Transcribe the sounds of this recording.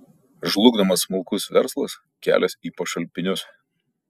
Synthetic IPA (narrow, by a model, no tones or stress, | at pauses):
ʒlˠʊɡd̪ɐmɐsːmʊlˠkʊsʋʲɛ̰ɾslˠɐs | kʲæ̰ːlʲɛsiːpɐʃɐlʲpʲɪnʲʊs